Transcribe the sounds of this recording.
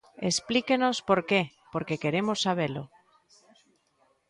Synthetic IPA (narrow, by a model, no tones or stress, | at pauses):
ḛsplikeno̞spo̞ɾke | po̞ɾke̞ke̞ɾe̞mosːaβ̞elo̰